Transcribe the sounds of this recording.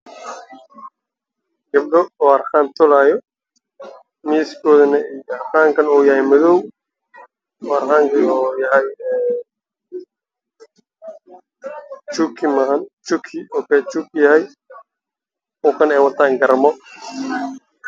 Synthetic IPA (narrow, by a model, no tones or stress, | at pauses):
ɡɐb̚ɖɔɔːɐrxaːnt̪ʰʊlaːjɔ | miːskʰɔːðɐnɐijɔɐrxaːŋkʰɐnɔːjɐhɛjmɐðɔw | ɔːɐrxaːŋkɐnɔːjɐɦɛj | t͡ʃukʰɪmɐɦɐnt͡ʃukʰɪɔkɛt͡ʃukjɐɦɛj | ɔkʰɐnɛːjwɐt̪ʰaːŋɡɐɾɐmɔ